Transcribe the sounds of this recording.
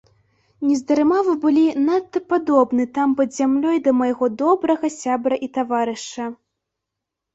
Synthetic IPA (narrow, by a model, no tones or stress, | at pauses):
nʲɛzd̪ɐɾɨmavɨbɨlʲinat̪ːɐpad̪ɔbnɨt̪ampɐd̪zʲamlʲɔjd̪ɐmɐjɣɔd̪ɔbɾɐɣɐsʲabɾɐʔit̪avaɾɨʂɐ